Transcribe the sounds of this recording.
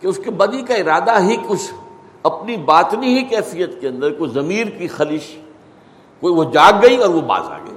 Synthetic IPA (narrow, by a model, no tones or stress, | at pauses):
keʊskebɐd̪ikaɪɾaːd̪aɦikʊt͡ʃʰ | ɐpnibaːt̪niɦikɛːfijət̪keɐ̃nd̪əɾkozɐmiːɾkixɐlɪʃ | koːiʋod͡ʒaːɡːɐiɔːɾʋoba̰ːza̰ːɡɐ̰ḭ